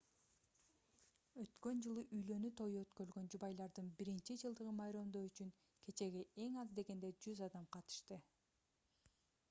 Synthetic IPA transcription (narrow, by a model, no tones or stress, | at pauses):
ø̞t̪kø̞nd͡ʒɯlˠuʔyjlø̞nyt̪ʰo̞juøt̪køɾlɡø̞nd͡ʒubɑjlˠɑɾd̪ɯnbiɾint͡ʃid͡ʒɯlˠd̪ɯʁɯmɑjɾomd̪o̞yt͡ʃyŋ | kʰe̞t͡ʃe̞ɡie̞ŋɑzd̪e̞ɡe̞nd̪e̞d͡ʒyzɑd̪ɑmqʰɑt̪ɯ̥ʃt̪ɯ